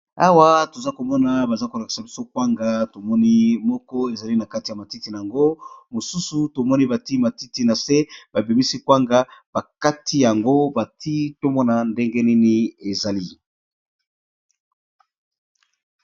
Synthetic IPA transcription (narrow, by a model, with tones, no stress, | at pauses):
a˦wa˦to˨za˦ko˨mɔ˦na˨ba˨za˦ko˨la˨ki̥˨sa˨bi˦so˦kwa˦ŋɡa˨to˨mɔ˦ni˦mɔ˦kɔ˦e˨za˨li˦na˨ka˦ti˨ja˨ma˨ti˦ti˨na˨a˨ŋɡo˦mo˨su˦su˨to˨mɔ˦ni˦ba˨ti˦ma˨ti˦ti˦na˨se˦b̥a˨bi˨mi˦si˦kwa˦ŋɡa˦b̥a˨ka˦tʰi˦ja˨ŋɡo˦ba˨ti˦to˦mɔ˦na˨nde˦ŋɡe˦ni˦ni˦e˨za˨li˦